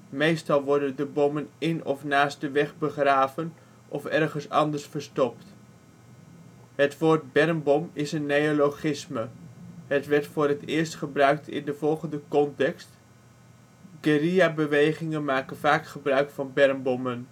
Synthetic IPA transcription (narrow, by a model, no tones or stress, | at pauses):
mejstɑlˠʋɔɹdəndəbɔmənɪnɔfnaːsdəʋɛχbəχraːvən | ʔɔfɛrχənsɑ̰ndəɹsfəɹstɔpt | ɦətʋoːɹt̚bɛrmbɔmɪsənːejoloχɪsməɦətʋɛɹtfʊːrɦətɪːɹstχəbrœɥk̚tʰɪ̰ndəv̥ɔlˠχəndəkɔntɛkst | ɡeriabəʋejχɪŋənmaːkənvaːkχəbrœɥkfɑnbɛrmbɔmən